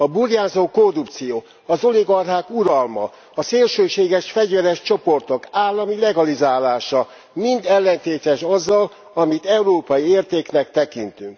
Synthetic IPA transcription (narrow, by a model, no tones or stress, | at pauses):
ɒburjaːzoːkorupt̪sijoː | ɒzo̞liɡɒrɦaːkuɾɒlmɒ̰ | ɒseːlʃøːʃeːɡɛʃfɛɟvɛɾɛʃt͡ʃo̞po̞rt̪o̞kaːlːɒmilɛɡɒlizaːlaːʃɒ | mind̪ɛlːɛnt̪eːt̪ɛʃɒzːɒl | ɒmit̪ɛuɾoːpɒjieːrt̪eːknɛkt̪ɛkint̪yŋk